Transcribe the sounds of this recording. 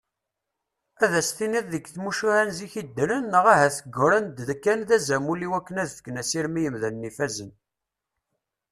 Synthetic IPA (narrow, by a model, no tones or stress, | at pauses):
æðæsθiniððəɡθmuʃuhænziçid̪ːələnːəʁæɦæθəɡːʊɾənd̪ðkːænðæzæmulːiwækːənæðfə̥kːnæsiɾmijəmðænːifæzən